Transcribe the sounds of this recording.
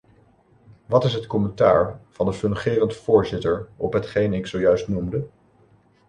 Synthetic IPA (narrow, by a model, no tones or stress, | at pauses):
ʋɑtɪsɦətkɔmənta̰ːɹv̥ɑndəfɵnχɪːrəntfʊːɹzɪtəɹɔ̰pɦətχejnɪksowjœɥstnumdə